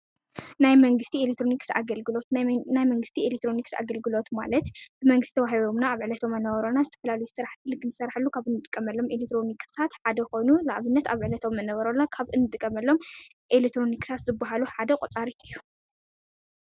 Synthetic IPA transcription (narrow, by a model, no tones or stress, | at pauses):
najmɐŋɡɨst̪ʰielet̪ɾoniksa̰ɡɐlɡɨlo̞t̪najmɐŋɡɨst̪ʰielekt̪ʰɾo̞niksa̰ɡɐlɡɨlo̞t̪ma̰lɐt̪b̥ɨmɐŋɡɨst̪t̪ʰɐβaɦiβo̞mnaːβʕɨlɐt̪ʰo̞mːɐnːɐβɐɾonazɨt̪ʰɐ̥fɐlalɐjuzɨsɨɾaħt̪ʰɨlɨɡɨnɨsɐɾaħɨlːukʰaβɨnːɨt̪ʼɨkʼːɐmɐlːo̞melekt̪ɾo̞nikʰsʰat̪ħad̪ɐko̞jnulaʔβɨnːɐt̪aβʕɨlɐt̪ʰo̞mːɐnɐβɐɾonakʰaβɨnːɨt̪ʼɨkʼːɐmɐlːo̞m | ʔelekt̪ɾo̞nikʼsʰat̪zɨbːaɦaluħad̪ɐkʼot͡sʼaɾit̪ʰɨjːu